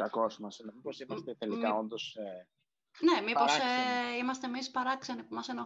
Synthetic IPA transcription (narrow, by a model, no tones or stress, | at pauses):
kɐko̞smɐsinemiposimɐst̪et̪elikao̞nd̪o̞se | ne̞mippoɾseimɐst̪eːmispɐɾɐksɐnipumɐseno